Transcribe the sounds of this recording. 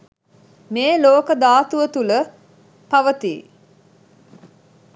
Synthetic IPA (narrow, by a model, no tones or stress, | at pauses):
meːloːkəd̪aːt̪uʋət̪ulə | paʋət̪ḭː